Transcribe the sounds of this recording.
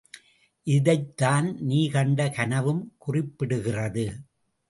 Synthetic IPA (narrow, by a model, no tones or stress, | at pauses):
ʔɪðɐɪt̪ːaːnniːkɐɳɖɐkɐnɐʋɯmkʊrɪpːɪɽɯɣɪrɐðɯ